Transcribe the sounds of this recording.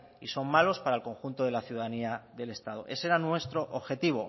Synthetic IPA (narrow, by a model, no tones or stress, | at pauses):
iso̞mmalo̞spaɾaelko̞ŋxunt̪oð̞e̞laθjuðaðaniaðe̞le̞st̪að̞o̞̰ʔe̞seɾanwe̞st̪ɾoʔoβxe̞t̪iβ̞o̞